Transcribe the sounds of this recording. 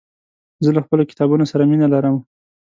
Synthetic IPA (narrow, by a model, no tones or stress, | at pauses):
zəlaxpəlokɪ̥t̪ɑbunosaɾaminalaɾəm